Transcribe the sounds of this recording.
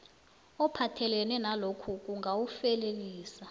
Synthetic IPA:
ɔpʰatʰɛlɛnɛnalokʰuk̬ʼuŋɡʱawufɛleliːsa

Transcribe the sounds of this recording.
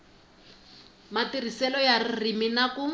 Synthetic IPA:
matir̤isɛlɔjaririminaku

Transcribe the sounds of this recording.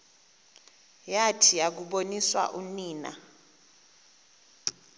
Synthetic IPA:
jatʰijak̬uɓoniswa̰ʔuniːna̰

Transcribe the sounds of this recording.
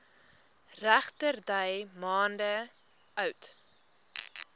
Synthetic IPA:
ræχtərdəjmɑːndə | œwt

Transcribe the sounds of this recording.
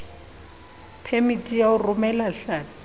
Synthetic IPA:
pʰemitʼijaʊrʊmɛlaɬa

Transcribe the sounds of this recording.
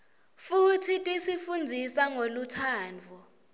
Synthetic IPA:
futʰitʼisifund͡zʱisaŋolutʰaːnd͡vʱɔ

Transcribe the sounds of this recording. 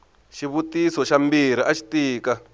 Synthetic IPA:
ʃiβut̪isɔʃambiɾiʔaʃi̥t̪iːka

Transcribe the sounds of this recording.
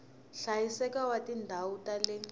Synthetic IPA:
ɬajisɛkawatindʱawutalɛ

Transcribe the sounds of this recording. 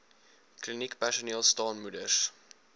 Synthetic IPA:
klinikpæʃəniəlˠstɑːnmudəs

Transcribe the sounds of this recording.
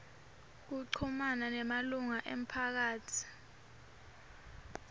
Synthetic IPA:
k̬uǀʰumananɛmaluŋaʔem̩pʰak̬aːtʰi̥

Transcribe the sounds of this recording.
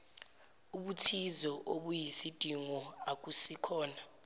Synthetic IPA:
uɓutʰizɔʔoɓujisid̥ʱiŋɔ | ak̬ʼusikʰɔːna

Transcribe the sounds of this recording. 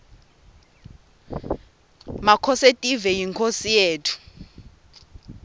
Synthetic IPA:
makʰɔsetʼivɛjiŋkʰosijeːtʰu̥

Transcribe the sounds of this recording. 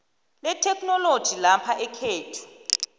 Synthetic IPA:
lɛtʰɛkʰnɔlod̥ʒ̥ʱilapʰaʔɛkʰeːtʰu̥

